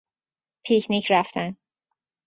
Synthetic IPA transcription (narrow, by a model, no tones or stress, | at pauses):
pʰicʰnicʰɾæft̪ʰæn